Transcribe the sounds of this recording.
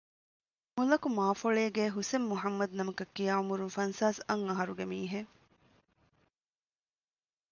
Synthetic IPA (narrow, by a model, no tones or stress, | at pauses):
mulɐkumaːfoɭeːɡeːɦusemːuɦɐmːɐd̪nɐmɐkɐkːijaːumuɾunfɐnsaːsɐŋɐɦɐɾuɡemiːɦe